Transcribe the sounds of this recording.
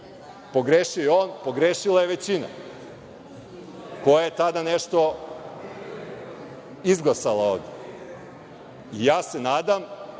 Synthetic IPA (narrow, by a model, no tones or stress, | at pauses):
po̞ɡɾeʃiojeonpo̞ɡɾeːʃilajeʋe̞t͡ɕina̰ | ko̞jajet̪ad̪aneʃt̪o̞ | izɡlˠasalˠaoʋd̪e | ijaːse̞naːd̪am